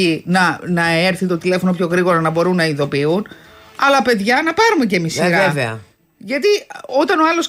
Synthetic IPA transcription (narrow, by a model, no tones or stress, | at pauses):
inɐnɐe̞ɾθit̪o̞t̪ile̞fo̞no̞pço̞ɣɾiɣo̞ɾɐnɐbo̞ɾunːɐiðo̞piun | ɐlɐpe̞ðʝɐnɐpɐɾumece̞misiɾɐeveɐ̰ | ʝɐt̪io̞t̪ɐno̞ɐlo̞s